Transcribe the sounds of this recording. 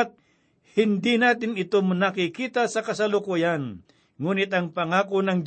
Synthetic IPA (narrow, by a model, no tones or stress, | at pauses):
t̪̚ | hɪnd̪inaːt̪̬ɪnɪt̪omnɐkɪkiːt̪asɐkɐsɐlʊkujan | ŋuːnɪt̪ɐŋpɐŋaːkonɐŋd͡ʒ